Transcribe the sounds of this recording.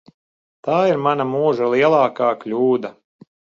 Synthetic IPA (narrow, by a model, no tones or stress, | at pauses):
t̪aːiɾmanamuːʒalˠiɛlˠɑːkaːklʲuːd̪a